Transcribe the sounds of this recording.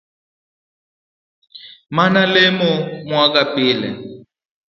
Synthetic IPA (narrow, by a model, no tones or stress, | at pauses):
manalɪmʊmwakapiːlɛ̰